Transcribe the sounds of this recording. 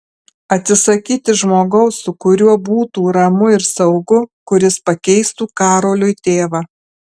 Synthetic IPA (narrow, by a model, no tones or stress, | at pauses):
ɐt̪ʲsʲɪsɐkʲiːt̪ʲɪʒmoːɡɐʊssʊkʊɾʲuɔbuːt̪uːɾɐmʊɪɾsɐʊɡʊkʊɾʲɪspɐkʲɛɪst̪uːkɑːɾoːlʲʊɪt̪ʲeːʋɑː